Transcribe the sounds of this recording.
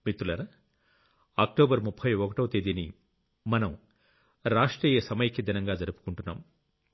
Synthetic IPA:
mit̪ːulɐɾɐ | aːk̚ʈoːbɐɾmupʰːɐjɔkɐʈɐwt̪eːd̪ini | mɐnɐm | ɾaːʂʈɾiːjɐsɐmɐjɐkʰːɐd̪inɐŋɡaːd͡ʒɐɾupu̥kuɳʈunːa̰ːm

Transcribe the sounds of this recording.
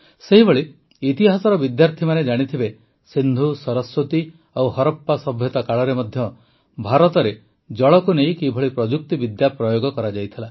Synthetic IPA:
seɦibʱoɭi | it̪iɦasɔɾɔbid̪jaɾt̪ʰimaned͡ʒaɽ̃it̪ʰibe | sind̪ʱusɔɾɔswot̪i | owhɔɾɔpːasɔbʱjɔt̪akaɭɔɾemɔd̪ʱjɔ | bʱaɾɔt̪ɔɾe | d͡ʒɔɭɔkunejkibʱɔɭipɾɔd͡ʒuk̚t̪ibid̪japɾɔjoɡɔkɔɾad͡ʒajt̪ʰila

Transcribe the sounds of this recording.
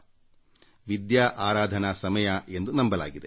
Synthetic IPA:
ʋid̪jaːʔaːɾaːd̪ʱɐnasɐmɐjae̞nd̪unɐmbɐla̰ːɡid̪e

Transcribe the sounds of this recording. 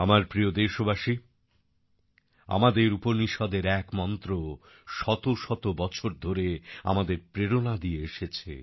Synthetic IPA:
amaɾpɾijod̪eʃobaʃi | a̰mad̪eɾupoɾniʃɔd̪eɾɛkmɔnt̪ɾo | ʃɔt̪oʃɔt̪obɔt͡ɕʰoɾd̪ʱoɾea̰mad̪eɾpɾeɾonad̪ieeʃet͡ɕʰḛ

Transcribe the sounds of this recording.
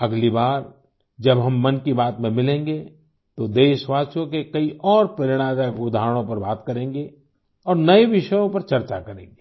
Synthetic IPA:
ɐɡlibaːɾ | d͡ʒɐbɦɐmːɐnkibaːt̪mẽmɪlẽːŋɡe | t̪od̪eːʃʋaːt͡ʃõkekɐiʔɔːɾpɐɾɪɽ̃aːd̪akʊd̪ʱaːɾəɽ̃õpɐɾbaːt̪kɐɾẽːŋɡe | ɔːɾnɐeʋɪʃəjõpɐɾt͡ʃɐɾt͡ʃakɐɾḛ̃ːŋɡeː

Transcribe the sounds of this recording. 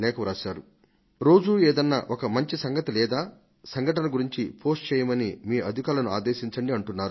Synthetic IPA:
lɛːkɐɾaːʃaːɾu | ɾo̞ːd͡ʒuːeːd̪ɐnːa̰ːʔokɐmɐɲt͡ʃisɐŋɡɐt̪ilɛːd̪aː | sɐŋɡʱɐʈɐnɐɡuɾiɲt͡ʃipʰo̞ːsʈ̚t͡ʃɛːjɐmɐnimiːʔɐd̪ʱikaːlɐnuaːd̪eːʃiɲt͡ʃɐɳɖiɐɳʈunːaːɾu

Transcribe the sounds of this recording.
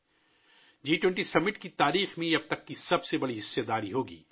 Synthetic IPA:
d͡ʒiːʈwɛ̃ɳʈisɐmɪʈkit̪aːɾiːxmẽɐb̚t̪ɐkːisɐbsebɐɽiɦɪsːed̪aːɾiɦoːɡḭː

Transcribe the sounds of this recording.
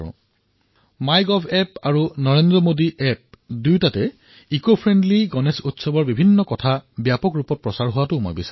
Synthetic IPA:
majɡɔpʰɛpaɹunɔɹendɹɔmodiʔɛp̚dujtatɛ | ikopʰɹendliɡɔnesutsɔbɔɹbibʱinːɔkɔtʰabjapɔkɹupɔt̚pɹɔsaɹɦʊwatʊmɔ̰jbisa

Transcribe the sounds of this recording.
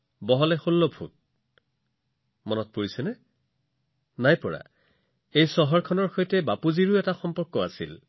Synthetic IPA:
bɔɦɔlɛxolːɔbʱṵt̚ | mɔnɔt̚poɹisɛnɛ | najpɔɹa̰ | ejsɔɦɔɹkʰɔnɔɹxojtɛbapuziɹuɛtaxɔmpɔɹkːɔasḭl

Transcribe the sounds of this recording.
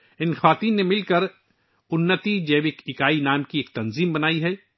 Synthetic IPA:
ɪnxwaːt̪iːnːemɪlkɐɾ | ʊnːət̪id͡ʒeːʋɪkɪkaːinaːmkieːk̚t̪ɐnziːmbɐnaːiɦɛː

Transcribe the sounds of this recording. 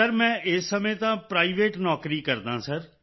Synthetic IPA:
əɾmɛ̃ːʔɪsːəmẽːt̪ãːpɾaːiʋeːʈnɔːkɾiːkəɾd̪ãːsəɾ

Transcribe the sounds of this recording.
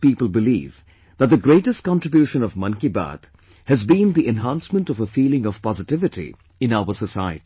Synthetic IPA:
piːpəl̩ˠbɪlḭːv | ðət̪̚d̪ɨɡɾeɪʈɨst̚kɑ̃ntɹɨbjuʃə̃nʌvmʌ̃nkiba̰t̪ | hɨzbĩnd̪iʔɛ̃nɦæ̃nsmə̃ntʌvəfiːlɪ̃ŋʌv̥pɑzɨtɪvɨtʰḭ | ɨ̃naʊəsəsaɪɨ̰ti

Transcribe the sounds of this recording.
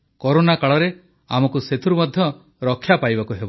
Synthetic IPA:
kɔɾonakaɭɔɾe | a̰mɔkuset̪ʰuɾumɔd̪ʱjɔ | ɾɔkʰːjapajbakuɦebɔ

